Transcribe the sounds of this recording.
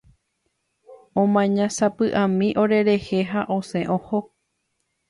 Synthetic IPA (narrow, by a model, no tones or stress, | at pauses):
õmãɲãsapɨʔãmĩʔo̞ɾe̞ɾe̞he̞ɦaʔosẽ̞ʔõho